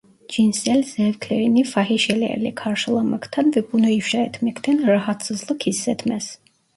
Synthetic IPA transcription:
d͡ʒinsɛlzɛvkʰlɛɾinifaɦiʃɛliɛ̰lḭkʰaɾʃlˠaməkʰt̪ʰanvɛbunɔiwʃaɛt̪ʰmɛkʰt̪ʰɛnɾaɦat̪səzlˠɔkʰisːɛt̪ʰmɛs

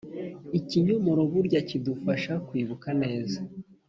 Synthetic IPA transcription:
iciɲumoɾoβuɾɟacidufaʃakwiːβukane̞ːza

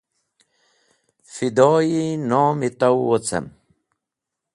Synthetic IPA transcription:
fid̪oːinoːmit̪ɐwot͡sɐ̰m

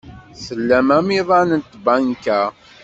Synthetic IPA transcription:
səlːæmæmiðˤɑnənt̪bænkæ

